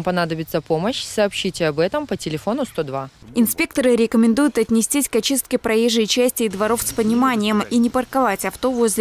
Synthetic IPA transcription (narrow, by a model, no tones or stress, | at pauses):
mpɐnad̪əbʲɪt̪səpo̞məɕsɐːpɕːitʲɪɐbɛt̪əmpətʲɪlʲɪfo̞nʊst̪o̞d̪vaɪnspʲe̞k̚t̪əɾɨɾʲɪkəmʲɪnd̪ujʊt̪ɐt̪ʲnʲɪsʲtʲisʲkɐt͡ɕist̪̚kʲɪpɾɐjejʐɨjt͡ɕæsʲtʲɪːd̪vɐɾo̞fspənʲɪmanʲɪjəminʲɪpərkɐvatʲɐft̪o̞vozʲlʲ